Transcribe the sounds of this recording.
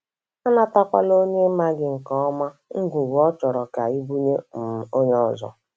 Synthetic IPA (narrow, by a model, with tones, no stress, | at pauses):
a˦na˦ta˦kʷa̰˦lo˦ɲe˦ma˦ɡɪ˦ŋ̩˨kɔ˦ɔ˦ma˦ŋ̩˦ɡʷu˨ɡɔ˦t͡ʃɔ˨ɾɔ˨ka˨i˦bu˦ɲe˦m̩˨o˦ɲ˦ɔ˦˨zɔ̰˨